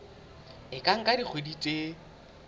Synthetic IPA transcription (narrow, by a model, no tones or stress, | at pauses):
ɪkʼaŋ̩kʼadik͡xʰweditʼe